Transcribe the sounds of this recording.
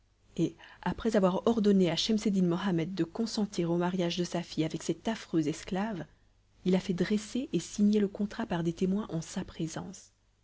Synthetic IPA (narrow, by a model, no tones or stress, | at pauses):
eapχɛzavwaʁɔʁd̪ɔneaʃɛmsed̪inmɔɦamɛd̪ːəkɔ̃sɑ̃t̪ʰiʁomaʁjaʒd̪əsafijavɛksɛt̪afχøzɛsklav | ilafɛd̪ʁeseʔesiɲeləkɔ̃t̪χapaʁd̪et̪emwɛ̃ʔɑ̃sapχezɑ̃s